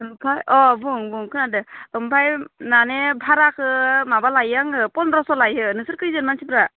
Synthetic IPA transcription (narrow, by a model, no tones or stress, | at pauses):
ɯmpʰajɔbuŋbuŋkʰɯnadɯɯmpʰajnanebʱaɾakʰɯmabalajaŋɯpɔnɾɔsɔlajɯnɯsɯɾkɯjzɯnmansibɾa